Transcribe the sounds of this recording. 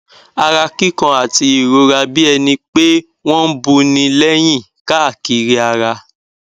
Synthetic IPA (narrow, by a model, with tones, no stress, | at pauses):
a˧ɾa˧ki˦kã˧a˨ti˧i˨ɾo˧ɾa˧bi˦ɛ˧nĩ˧k͡pe˦ | w̃ɔ̃˦n̩˦bu˧nĩ˧lɛ˦j̃ĩ˦˨ | ka˦a˦˨ki˧ɾi˦a˧ɾa˧